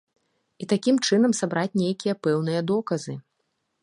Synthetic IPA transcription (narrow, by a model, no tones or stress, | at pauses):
it̪akʲimt͡ʂɨnɐmsabɾat͡sʲnʲejkʲijɐpɛwnɨjɐd̪ɔkɐzɨ